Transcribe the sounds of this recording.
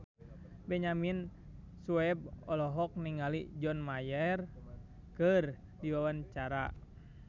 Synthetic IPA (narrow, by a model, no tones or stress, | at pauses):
bɛɲamin | suɛb̚ɔlɔɦɔk̚niŋalid͡ʒɔnmajɛr | kɨr | diwawant͡ʃaɾa̰